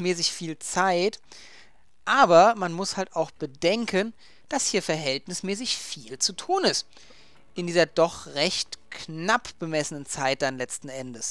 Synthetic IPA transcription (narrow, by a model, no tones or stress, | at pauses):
mɛːsɪçfiːlt͡saɪt | ʔaːbɐmanmʊshaltaʊxb̥ədɛŋkʰən | d̥ashiːɐfɛɐɦɛltnɪsmɛːs̬ɪçfiːlt͡sutʰuːnɪst | ʔɪndiːzɐdɔχʁɛçtknapb̥əmɛsənənt͡saɪt̚d̥anlɛt͡stn̩ʔɛndəs